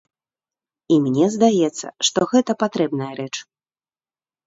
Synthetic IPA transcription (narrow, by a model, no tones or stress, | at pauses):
imnʲɛzd̪ajɛt̪sːɐ̰ʂt̪ɔɣɛt̪ɐpat̪ɾɛbnɐjɐɾɛt͡ʂ